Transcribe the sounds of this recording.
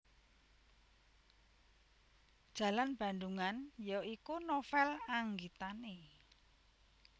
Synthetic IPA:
d̥ʒ̥ä̤lanb̥ä̤nd̪uŋanjɔʔikunofɛlaŋɡit̪ane

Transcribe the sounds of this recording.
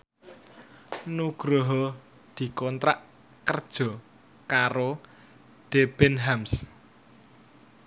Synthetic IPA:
nuɡ̥ɾoɦɔ | d̪̥i̤kɔnt̪ɾa̰ʔ | kərd̥ʒ̥ɔ̤ | kaɾo | d̥eb̥ɛnɦams

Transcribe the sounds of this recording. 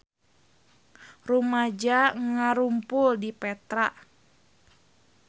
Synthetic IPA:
rumad͡ʒaŋaɾumpʊldipɛt̪ɾaʔ

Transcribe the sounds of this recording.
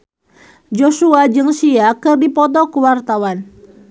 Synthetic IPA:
d͡ʒosuad͡ʒɨŋsiakɨrdipɔt̪ɔkəwart̪awan

